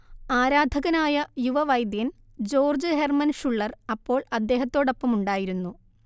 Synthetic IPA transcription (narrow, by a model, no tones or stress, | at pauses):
aːɾaːd̪ʱɐɣɐnaːjɐjuʋɐʋɐjd̪jɐn | d͡ʑo̞ːrd͡ʑɨhermɐnʂuɭːɐrɐpːo̞ːɭɐd̪ːe̞ːɦɐt̪ːo̞ːɽopːɐmuɳɖaːjiɾunːu